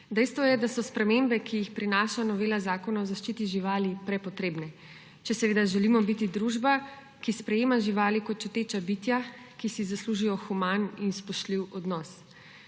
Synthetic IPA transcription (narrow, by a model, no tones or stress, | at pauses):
d̪ɛjst̪ʋɔjɛd̪asɔspɾɛmembɛkʰijixpɾinaːʃanɔʋeːlazaːkɔnaɔzaʃt͡ʃit̪iʒiʋaːlipɾɛpɔt̪ɾeːbnɛ | t͡ʃɛsɛʋeːd̪aʒɛlimɔbit̪id̪ɾuʒba | kispɾɛjeːmaʒiʋaːlikɔt̪̚t͡ʃɛt̪eːt͡ʃabit̪jakisizasluʒijɔxumaninspɔʃt̪liwɔd̪nɔs